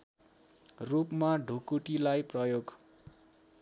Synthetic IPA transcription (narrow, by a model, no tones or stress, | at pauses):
rupmaɖʱukuʈilajprʌjoɡ